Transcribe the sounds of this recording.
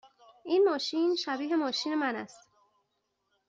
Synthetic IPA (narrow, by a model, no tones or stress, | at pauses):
ʔinmɒːʃiːnʃæbiːɦe̞mɒːʃiːne̞mænæ̰st̪